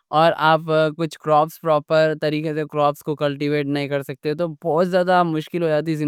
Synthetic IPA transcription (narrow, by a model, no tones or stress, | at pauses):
ɔːɾaːpkʊt͡ʃʰkɾɔːpspɾɔːpəɾt̪ɐɾiːkesekɾɔːpskokɐlʈiʋeːʈnɐɦĩkɐɾsɐk̚t̪eɛt̪̬obɔːt̪zjaːd̪amʊʃkɪlɦoːd͡ʒaːt̪̬izɪ